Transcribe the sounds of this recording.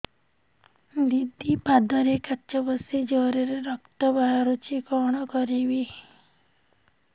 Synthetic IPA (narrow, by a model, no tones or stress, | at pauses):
d̪id̪ʱipad̪ɔɾekatːt͡ʃɔbɔsed͡ʒɔɾeɾeɾɔkt̪ɔbaɦaɾut͡ʃʰikɔɽ̃ɔkɔɾiʋi